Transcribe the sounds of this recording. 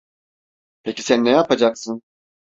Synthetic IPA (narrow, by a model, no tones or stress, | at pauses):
pʰeci̥sænːɛjapad͡ʒaksɯn